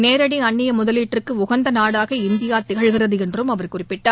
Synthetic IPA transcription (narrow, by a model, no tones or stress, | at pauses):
neːɾɐɽɪɐɳːɪjɐmʊðɐliːʈrɯkːɯʊɣɐnd̪ɐnaːɽaːɣɐɪnd̪ɪjaːt̪ɪɣɐɭɣɪrɐðɯɛndrɯmɐʋɐɾkʊrɪpːɪʈːaː